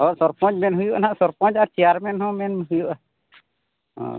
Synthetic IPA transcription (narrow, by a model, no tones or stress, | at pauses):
ɦɔ̃sɔɾpɔ̃d͡ʒmɛnɦujuʔanaʔsɔɾpɔ̃d͡ʒat͡ʃɛjaɾmɛnhɔ̃mɛnmɦujuʔa | ɔ̰̃